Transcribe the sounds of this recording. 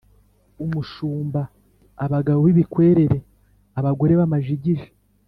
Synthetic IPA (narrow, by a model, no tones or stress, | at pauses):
umuʃuːmbaː | βaɡaβoβiβikwe̞ːɾe̞ɾe̞ | aβaɡo̞ɾe̞βamaʒiɟiʒe̥